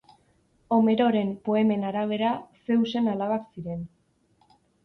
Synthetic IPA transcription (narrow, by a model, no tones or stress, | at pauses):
o̞me̞ɾo̞ɾe̞mpo̞e̞me̞naɾaβ̞e̞ɾase̞wse̞nalaβaksiɾe̞n